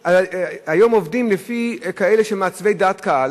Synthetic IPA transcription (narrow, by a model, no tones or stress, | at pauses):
aajo̞mo̞vdimlefikaeleʃemeat͡svejd̪at̪kaal